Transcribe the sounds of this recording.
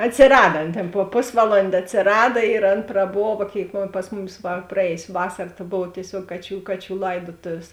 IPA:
ɐtʲsʲɪˈrɑːdɐ ˈɐn tʲeːn poː ˈpoːsʋɐˌlˠoːnʲdʲeː ɐtʲsʲɪˈrɑːdɐ ɪr ˈɐn prɐˈboːʋɐ ˈkʲeːɪk ˈpɐs mʊˌmʲɪs ʋɐ prɐˈeːjʊsʲ ˈʋɑːsɐr tɐ ˈboːw tʲiɛˈsʲuɔk ˈkɑːˌt͡ʃʲuː ˈkɑːˌt͡ʃʲuː ˈlˠɐɪdoːtoːʋʲeːs

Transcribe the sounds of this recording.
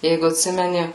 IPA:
ˈjɛɪɡʊ ɐtʲˈsʲɪmʲɛnʲɪ

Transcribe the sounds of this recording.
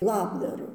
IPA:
ˈlˠɑːbdɐrʊ

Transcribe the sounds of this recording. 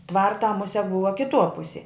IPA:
ˈtʋɐrtɑː ˈmʊsʲɛ ˈbʊʋɐ kʲɪˈtuɔ ˈpʊsʲeː

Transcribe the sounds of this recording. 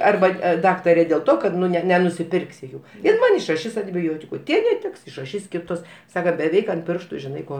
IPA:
ˈɐrbɐ ˈdɑːktɐrʲeː dʲeːlˠ ˈtoː kɐt nʊ ˈnʲɛ nʲɛnʊsʲɪˈpʲɪrksʲɪ ˈjuː ɪr ˈmɐn ɪʃrɐˈʃʲɪs ɐnʲtʲɪˈbʲoːtʲɪkʊ ˈtʲiɛ nʲɛˈtʲɪks ɪʃrɐˈʃʲiːs ˈkʲɪtʊs ˈsɑːkɐ bʲɛˈʋʲɛɪk ɐnt ˈpʲɪrʃtʊ ʒʲɪˈnɐɪ ˈkoː

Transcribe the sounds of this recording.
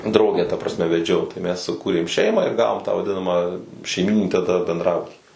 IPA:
ˈdrɐʊɡʲæː tɐ prɐsʲˈmʲɛ ʋʲɛˈd͡ʒʲɛʊ tɐɪ mʲɛs sʊˈkuːrʲeːm ˈʃʲɛɪmɑː ɪr ˈɡɑːʋoːm tɑː ʋɐˈdʲɪnɐmɐ ʃʲɛɪˈmʲiːnʲɪnʲiː tɐˈdɐ bʲɛndˈrɑːbʊtʲɪ

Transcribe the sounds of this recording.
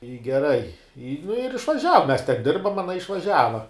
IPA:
ɪ ɡʲɛˈrɐɪ ɪ nʊ ɪr ɪʃʋɐˈʒʲæːʋɐ mʲɛs tʲɛn ˈdʲɪrbɐm ɐˈnɐ ɪʃʋɐˈʒʲæːʋɐ

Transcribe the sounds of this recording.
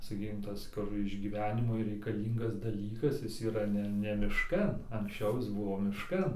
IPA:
sɐˈkʲiːkʲɪm ˈtɐs ˈkʊr ɪʒʲɡʲiːˈʋʲæːnʲɪmʊɪ rʲɛɪkɐˈlʲiːŋɡɐs dɐˈlʲiːkɐs ˈjɪs iːˈrɐ ˈnʲɛ nʲɛ mʲɪʃˈkɐn ɐŋksʲˈt͡ʃʲɛʊ ˈjɪs ˈbʊʋoː mʲɪʃˈkɐn

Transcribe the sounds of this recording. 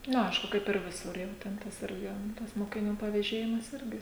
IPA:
ˈnʊ ˈɐɪʃkʊ kɐɪp ɪr ˈʋʲɪsʊr jɛʊ tʲɛn ˈtɐs ˈɪrʲɡʲɪ tɐs moːkʲɪˈnʲuː pɐʋʲɛˈʒʲeːjɪmɐs ˈɪrʲɡʲɪ

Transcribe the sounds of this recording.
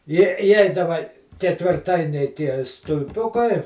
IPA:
ˈjiɛ ɪˈjɛɪdɐʋɐ kʲɛtʲʋʲɪrˈtɐɪnʲɛɪ ˈtʲiɛ stʊlʲˈpʲʊkɐɪ

